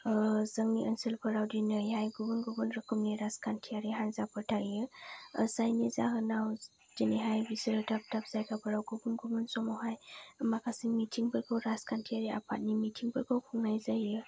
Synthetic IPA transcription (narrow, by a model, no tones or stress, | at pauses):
zəŋniʔənsilpʰəɾawdinɯjajɡubɯnɡubɯnɾəkʰɯmniɾaskʰantʰiaɾiɦanzapʰɯɾtʰajɯ̰sajnizaɦɯnaw | diniɦajbisɯɾɯdap̚dap̚z̥ajkʰapʰəɾawɡubunɡubɯnsɔmɔɦajmakʰasiŋmitʰiŋbʰɯɾkʰɔwɾaskʰantʰiaɾia̰pʰat̚nimitʰiŋbʰɯɾkʰɔwkʰuŋnajzajɯ